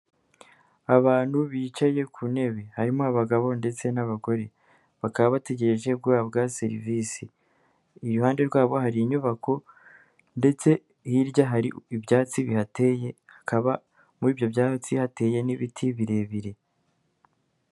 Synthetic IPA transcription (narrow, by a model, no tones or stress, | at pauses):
aβaːn̥huβiːt͡ʃaje̞kʰune̞βe̞haɾimoaβaɡaβo̞nde̞t͡se̞naβaɡo̞ɾe̞ | βakaβaβate̞ɟe̞ɾe̞ʒe̞b̚ɡaaabɡase̞ɾiviːsi | ijuhaːnde̞ɾɡwaːβo̞ɦaɾiɲuβako̞ | nde̞t͡se̞ | hiɾɟaɦaɾiibjaːt͡siβihatejehḁkaβa | muɾiːvjo̞bjaːt͡sihate̞ːje̞niβitʰiβiɾe̞βiɾe̞